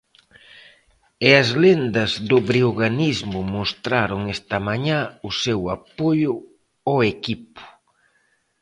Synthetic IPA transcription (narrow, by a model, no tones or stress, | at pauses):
eɐzlend̪ɐzðʊβɾioɣanizmʊmost̪ɾaɾʊŋest̪ɐmaɲaʊsewapojʊ | ɔekipʊ̥